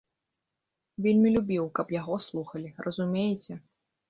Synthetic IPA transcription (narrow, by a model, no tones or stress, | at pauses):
vʲelʲmʲilʲubʲiwkɐpjaɣɔslˠuxɐlʲirʔɐzumʲejt͡sʲɛ